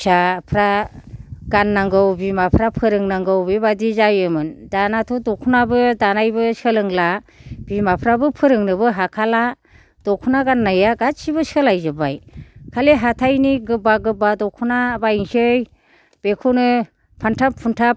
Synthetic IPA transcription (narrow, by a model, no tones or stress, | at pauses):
sapʰɾa | ɡanːaŋɡɯwbimapʰɾapʰɯɾɯŋnaŋɡɯwbibadizajɯmɯndanatʰɔdɔkʰunabɯdanajbɯsɯlɯŋlab̥imapʰɾabɯpʰɯɾɯŋnɯbɯɦakʰala | d̥ɔkʰunaɡanːajaɡatsibɯsɯlajzɯbajkʰaleɦatʰajniɡɯbaɡɯbadɔkʰunabajiŋsɯj | b̥ekʰunɯ | pʰantʰapʰuntʰap̚